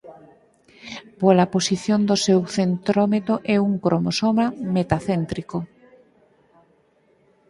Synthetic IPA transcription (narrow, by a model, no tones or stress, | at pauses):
polaposiθjond̪osewθent̪ɾomet̪oʔɛuŋkɾʔomosomamet̪aθent̪ɾiko